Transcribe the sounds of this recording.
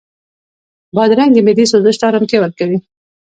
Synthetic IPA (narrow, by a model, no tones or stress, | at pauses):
bɑd̪ɾaŋɡd̪əmɪd̪isozəʃt̪ɑɾamkewaɾ̚kawi